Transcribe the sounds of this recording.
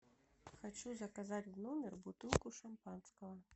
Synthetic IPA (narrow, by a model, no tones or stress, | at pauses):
xat͡ʃuzɐkazat͡sʲwnɔmʲɛrbut̪ɨlˠkuʂampanskɐɦɐ